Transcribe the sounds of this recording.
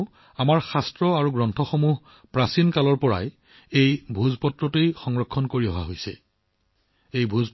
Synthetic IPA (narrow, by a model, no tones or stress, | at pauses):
amaɹxastɹɔaɹuɡɹɔntʰɔxomuɦ | pɹasinkalɔɹpɔɹa̰j | ejbʱuzpɔtɹɔtejxɔŋɹɔkʰːɔnkoɹiɔɦa̰ɦojsɛ̰ | ejbʱuz